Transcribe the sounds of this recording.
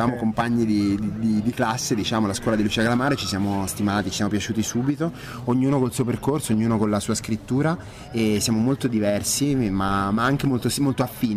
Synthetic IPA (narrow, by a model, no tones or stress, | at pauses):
aːmokompaɲːid̪id̪id̪id̪iklasːed̪it͡ʃaːmolaskwɔlad̪ilut͡ʃiːaɡalamaːɾet͡ʃisjaːmost̪imaːt̪it͡ʃisjamopjat͡ʃuːt̪isuːbit̪o | oɲːuːnokolsuːoperkorsooɲːuːnokolasuːaskɾit̪ːuːɾa | esjaːmomolt̪od̪ivɛrsimamaaŋk̟emolt̪osmolt̪oafːiː